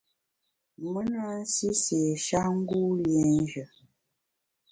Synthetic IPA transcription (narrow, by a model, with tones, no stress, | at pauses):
mə˦na˦n̩˦si˦se˨ʃa˦ŋ̩˦ɡu˦ljɛ˨n˦ʒə˨